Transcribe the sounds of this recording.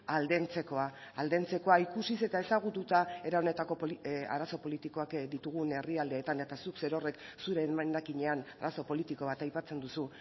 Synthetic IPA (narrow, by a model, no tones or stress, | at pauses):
ald̪e̞nt͡se̞ko̞a | ald̪e̞nt͡se̞ko̞aikusise̞t̪ae̞saɣ̞ut̪ut̪ae̞ɾao̞ne̞t̪ako̞poia̰ɾaso̞po̞lit̪iko̞akd̪it̪uɣ̞une̞riald̪eːt̪ane̞t̪asukse̞ɾo̞re̞ksuɾe̞maakiɲe̞anaɾaso̞po̞lit̪iko̞β̞at̪ajpat͡se̞nd̪usu